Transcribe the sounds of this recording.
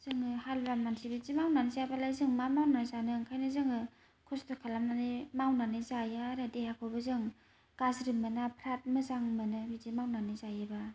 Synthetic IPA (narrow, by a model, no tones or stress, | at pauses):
z̥ɯŋɯhalbamansʰibizimawnanizabalajzɯŋmamawnazanɯŋkʰajnɯzɯŋɯ | kʰɔstɔkʰalamnanimawnanɯzajaːɾadehakʰɔbɯzɯŋ | ɡ̥azɾɯmɯnapʰɾat̚mɯzaŋmɯnɯbizimawnanɯzajɯba